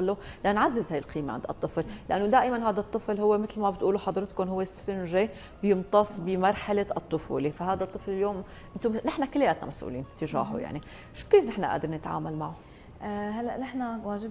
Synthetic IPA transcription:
alːolʔanːʕazːɪzhaːjɪlqiːmḛʕɪnd̪ɑ̰t̪ˤːɨfllʔanːod̪aːʔɪmanɦaːd̪at̪ˤːɨflhʊwːemɪt̪lmabɪt̪ʔuːluħɑd̪ˤɾɪt̪kʊnɦʊwːesfɪnʒe | bjɨmt̪ˤɑsˤbɪmɑɾˤħaleɨt̪ˤːʊfṵːlefahaːd̪at̪ˤːɨflɪljoːm | ʔɪnt̪onɪħnakɪlːajaːt̪na̰masʔṵːlḭːnɪt̪ːɪʒa̰ːħṵja̰ʕni | ʃu̥keːfnɪħnaʔa̰ːd̪ɪɾˤnɪt̪ʕa̰ːmalmaʕo | halːaʔnɪħnawaːʒɪ

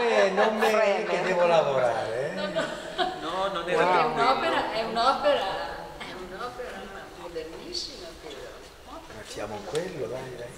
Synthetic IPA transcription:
enommːeeked̪ɛːvolavoɾaːɾeɛ | nɔnonɛaɛunɔpeɾaʔɛunɔːpeɾaɛunɔpeɾa | mod̪ernisːimape | masja̰ːmoiŋkwelːobaɾɛ

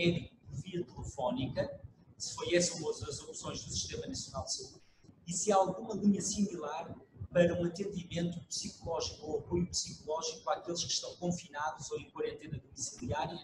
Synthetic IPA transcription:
ɛðikupɔɾviɐt̪ɨlˠɨfɔnikɐsɨ̥fojɛsɐũmɐzɐzopsõj̃ʒðusi̥ʃt̪emɐnɐsjunalˠd̪sɐuð | isaalˠɣumɐlˠiɲɐsimilˠaɾpɐɾɐũɐt̪ẽnd̪imẽnt̪upsikulˠɔʒikoɐpojupsikulˠɔʒikuakelˠʃkɨ̥ʃt̪ɐ̃w̃kõfinaðuzoẽkwɐɾẽnt̪enɐðumisilˠiaɾjɐ

